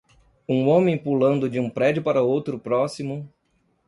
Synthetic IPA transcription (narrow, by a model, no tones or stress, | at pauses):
ũõmẽj̃pulɐ̃nd̪ʊd͡ʒɪũpɾɛd͡ʒʊpaɾɐowt̪ɾʊpɾɔsimʊ